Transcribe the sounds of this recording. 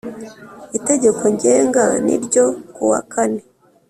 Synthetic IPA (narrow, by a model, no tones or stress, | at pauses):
ite̞ɟe̞ko̞ɲɟeːŋɡanḭɾɟo̞kuwa̰kʰane̞